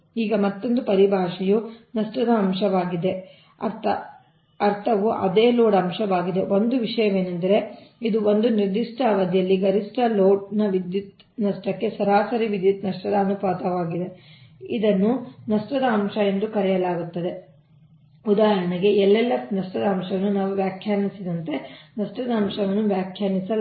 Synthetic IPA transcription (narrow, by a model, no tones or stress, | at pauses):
iːɡɐmɐt̪ːond̪upɐɾibʱaːʂijunɐʂʈɐd̪ɐːmʃɐʋaːɡid̪e̞ | ɐɾt̪ɐ̰ | ɐɾt̪ʰɐʋuʔɐ̰d̪eːloːɽɐmʂɐʋaːɡid̪e̞ʔo̞nd̪uʋiʂɐjɐme̞ːnɐnd̪ɐɾe̞id̪uond̪uniɾd̪iʂʈaːʋɐd̪jɐlːiɡɐɾisʈɐloːʈ̚nɐʋid̪jut̪ | nɐʂʈɐkːe̞sɐɾaːsɐɾiʋid̪jut̪nɐʂʈɐd̪ɐːnupaːt̪ɐʋaːɡid̪e̞id̪ɐnːunɐʂʈɐd̪ɐːmʂɐe̞nd̪ukɐɾɛjɐlaːɡut̪ːɐd̪e̞ | ud̪aːɦɐnɐɡe̞ɛlːɛlːɐnɐʂʈɐd̪ɐːmʂɐʋɐnːunaːʋuʋjaːkʰjaːɾnisid̪ɐnt̪e̞nɐʂʈɐd̪ɐːmʂɐʋɐnːuʋjaːkʰjaːnisɐl